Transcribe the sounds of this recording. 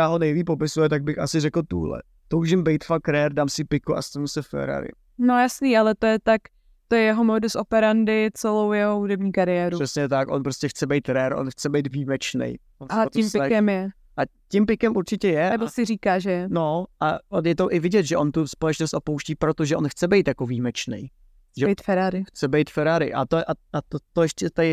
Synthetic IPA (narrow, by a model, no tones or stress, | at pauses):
aːɦonɛjviːpopɪsujɛt̪aɡ̚bɪxʔasɪrɛkl̩t̪ṵlɛ̰ | t̪owʒɪmbɛjt̪fakɾɛɾdaːmsɪpɪkuʔa̰st̪anusɛfɛ̰ɾa̰ɾɪ̰ | nojasniːʔalɛt̪ojɛt̪ak | t̪ojɛjɛɦomoːdosʔopɛɾandɪt͡sɛlowjɛɦoɦudɛbɲiːkaɾɪjɛːɾur̥ɛsɲɛt̪akʔonpɾoscɛxt͡sɛbɛjt̪ɾɛɾʔo̞̰nxt͡sɛbɛjt̪viːmɛt͡ʃnɛ̰jʔonac̪ɪmpɪkɛmjɛ | ʔacɪmpɪkɛmuɾt͡ʃɪcɛjɛnɛbosɪriːkaːʒɛnoʔaonjɛt̪oʔɪvɪɟɛt̪ʒɛʔont̪uspolɛt͡ʃnost̪ʔopowʃciːpɾot̪oʒɛʔonxt͡sɛbɛjt̪jakoviːmɛt͡ʃnɛ̰j | ʒɛbjt̪fɛɾaɾɪxt͡sɛbɛjt̪fɛɾaɾɪ̰ʔa̰t̪oʔaʔat̪ot̪ojɛʃcɛt̪aɪ